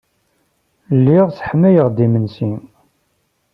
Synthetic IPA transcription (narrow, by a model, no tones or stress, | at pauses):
lːiʁt͡sːħmːæjəʁd̪imənsin